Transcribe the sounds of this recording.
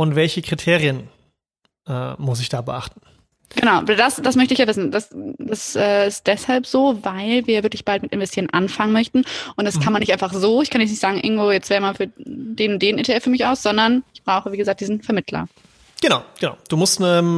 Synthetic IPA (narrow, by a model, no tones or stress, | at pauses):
ʊntv̥ɛlçəkʁ̥itʰeːʁiən | ʔɛːmʊsɪçd̥aːbəʔa̰χtn̩ | ɡ̥ənaʊvadasd̥asmœçtəɪçjaːvɪsn̩dasd̥asʔɛːɪst̚d̥ɛshalpz̥oːvaɪlviːɐvɪɐklɪçb̥altmɪtʔɪnvɛstʰiːʁənʔanfaŋənmœçtn̩ʔʊntd̥askʰanmanɪçtʔaɪnfaχz̥oːɪçkʰanjɛt͡snɪçtz̥aːɡŋ̩ʔɪ̰ɐɡŋ̩tvoːjɛt͡stveːəmaːfyːɐd̥eːnʊnt̚d̥eːnʔeːtʰeʔɛfyːɐmɪçʔaʊsz̥ɔndɐnɪçb̥ʁaʊxəviːɡəzaːk̚d̥iːzn̩fɛɐmɪtʰlɐ̰ | ɡ̥ənaʊɡ̥əna̰ʊd̥uːmʊstnə